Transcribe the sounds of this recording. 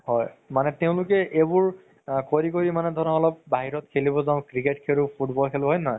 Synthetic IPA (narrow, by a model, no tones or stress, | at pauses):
hɔjmanɛteʊ̃lʊkɛʔebʊɹ | koɹik̬oɹimanɛdʱɔnɔɔlɔp̚baɦiɹɔtkʰelibɔzaʊ̃kɹiketkʰeɹʊpʰutbɔlkʰelʊɦɔjnɔj